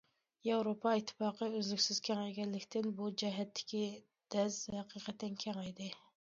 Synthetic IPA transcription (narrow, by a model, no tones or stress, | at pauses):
jɑwɾopʰɑit̪ʰːɪ̥pɑːqəøzlykʲsɪz̥kʲʰɛŋɛjɡʲɛnlːɪkʲt̪ʰɪnbud͡ʒɛɦɛt̪ʰːɪ̥kʲi | d̪̥ɛzhɛqiqʰɛt̪ːɛnkʲʰɛŋɛjd̪ɪ